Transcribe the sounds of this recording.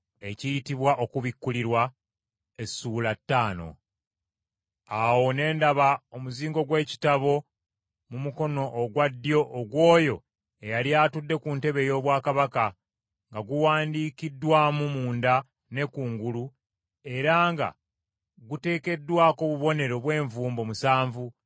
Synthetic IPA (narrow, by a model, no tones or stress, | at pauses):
e̞cijitiβwaʔo̞kuβikːuliɾwa | e̞suːlatːaːno̞̰ | awo̞ne̞ːndaβaomuziːŋɡo̞ɡwe̞ːci̥taβo̞ | mumuko̞no̞ʔːɡwadːjo̞ʔːɡwo̞ːjo̞ | e̞jaljaːtudːe̞kunte̞βe̞jo̞ːβwaːkaβaka | ŋɡaɡuwaːndiːkidːwaːmumuːnda | ne̞kuːŋɡulu | e̞ɾaŋɡa̰ | ɡute̞ːke̞dːwaːko̞βuβo̞ne̞ɾo̞βwe̞ːɱvuːmbo̞musaːɱvu